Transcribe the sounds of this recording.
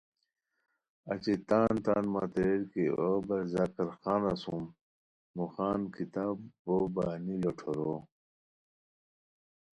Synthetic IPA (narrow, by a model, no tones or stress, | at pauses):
ɐ̰t͡ɕet̪aːnt̪aːnmaːt̪eɾeɾkeobɐɾzaːkɐɾxaːnɐsumː | uxaːnkit̪aːbboːbaːniloʈʰoɾo